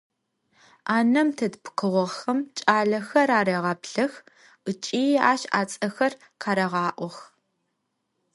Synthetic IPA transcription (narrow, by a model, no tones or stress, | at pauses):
aːnɐmtʰɐdpqɨʁʷɔʁxɐmt͡ʃʼaːɮɐxɐraːɾeːʁɑːpɬɐx | ɨt͡ʃʼiːaːʃa̰ːt͡sʼɐxɐr | qʰɑːɾɐʁɑːʔʷɔx